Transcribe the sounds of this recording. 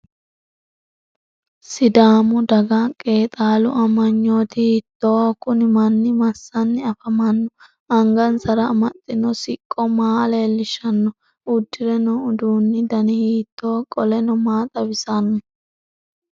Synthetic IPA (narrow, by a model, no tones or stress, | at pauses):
sɪd̪aːmʊd̪ɐɡɐkʼe̞ːt̪ʼaːlʊ̰ʔɐmːɐɲːo̞ːt̪ɪhiːt̪ːo̞ːkʊnɪmɐnːɪmɐsːɐnːɪɐfɐmɐnːɔ | ɐŋɡɐnsɐɾɐːmɐt̪ʼːɪnɔsɪkʼːɔmaːleːlːɪʃɐnːɔ | ʊd̪ːɪɾɛnɔʊd̪uːnːɪd̪ɐnɪhiːt̪ːo̞ːkʼɔlɛnɔmaːt̪ʼɐbɪsɐnːɔ